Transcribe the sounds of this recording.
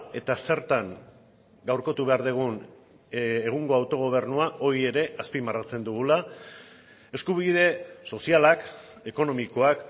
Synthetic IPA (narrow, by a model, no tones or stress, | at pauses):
e̞t̪ase̞ɾt̪aŋ | ɡawɾko̞t̪uβe̞aɾðeɣ̞un | eɣ̞uŋɡo̞awt̪o̞ɣ̞o̞β̞e̞rnuao̞ɾie̞ɾe̞ʔaspimarat͡se̞nd̪uɣ̞ula | e̞skuβiðe̞so̞sialak | e̞ko̞no̞miko̞ak